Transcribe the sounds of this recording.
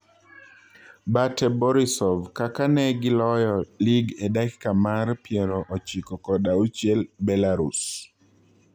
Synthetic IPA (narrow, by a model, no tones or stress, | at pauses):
batɛbɔɾisɔvkakanɛɡɪlɔjɔliɡedakkamarpjɛɾɔʔɔt͡ʃikɔkɔdaut͡ʃjɛlbɛlaɾus